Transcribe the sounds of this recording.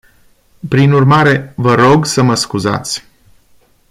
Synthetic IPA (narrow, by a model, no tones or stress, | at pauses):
pɾinurmaɾe̞vəɾo̞ɡsəməskuza̰t̪sʲ